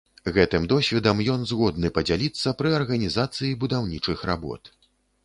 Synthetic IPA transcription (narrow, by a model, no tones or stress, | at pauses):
ɣɛt̪ɨmd̪ɔsʲvʲɛd̪ɐmjɔnzɣɔd̪̚nɨpɐd͡zʲalʲit̪sːɐpɾɨɐrɣɐnʲizat̪sɨjibud̪awnʲit͡ʂɨxɾa̰bɔ̰t̪